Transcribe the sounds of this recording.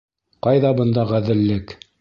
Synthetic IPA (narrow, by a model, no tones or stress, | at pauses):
qɑjðɑbɤ̆nd̪ɑʁæðɘ̆lːɘk